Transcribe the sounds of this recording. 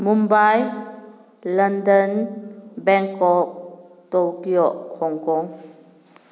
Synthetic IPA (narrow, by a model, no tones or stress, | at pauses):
mumbaj | ləndənbɛŋkɔk̚ | tokiɔʔhɔŋkɔŋ